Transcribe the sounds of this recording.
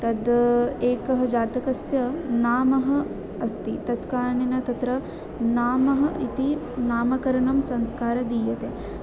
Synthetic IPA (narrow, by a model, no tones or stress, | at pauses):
t̪ɐd̪eːkɐɦɐd͡ʒaːt̪ɐkɐsjɐnaːmɐɦɐː | st̪it̪ɐt̪kaːɳenɐt̪ɐt̪ɾɐ | naːmɐɦɐʔit̪i | naːmɐkɐɾɐɳɐmsɐŋskaːɾɐd̪iːjɐt̪eː